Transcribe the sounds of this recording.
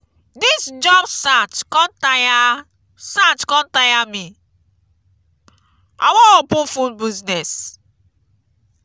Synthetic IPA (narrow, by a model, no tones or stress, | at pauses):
disd͡ʒɔbsatkɔ̃ntaja | satkɔ̃ntajami | a̰wɔ̃opũfũnbiznɛs